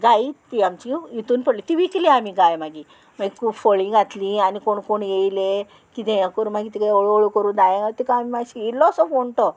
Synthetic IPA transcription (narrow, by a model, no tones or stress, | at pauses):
ɡait̪iamt͡ɕiit̪uːnpəɽlit̪iʋikliamiɡajmaɡi | maɡikʰuːbfəɭĩɡʱat̪lianikoɳkoɳjejle | kit̪ẽjakəɾũːmaɡit̪ikd̪oɭoɭukəɾũd̪ajãɡat̪ikaamimaɡɕiilɔːsɔfoɳʈɔ